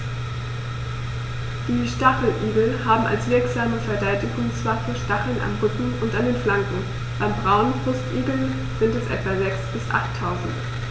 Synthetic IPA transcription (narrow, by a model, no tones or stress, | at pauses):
d̥iːʃtaχl̩ʔiːɡl̩haːbm̩ʔa̰lsv̥ɪɐkz̥aːməfɛɐdɛltɪkʊnt͡sv̥aːfyːɐʃtaχl̩nʔa̰mʁʏkŋ̩ʊntʔandeːnflaŋkŋ̩ | b̥aɪmbʁaʊnbʁ̥ʊstʔiːɡl̩n | z̥ɪntɛsʔɛ̰tv̥azɛksb̥ɪsʔa̰χtʰːaʊzn̩t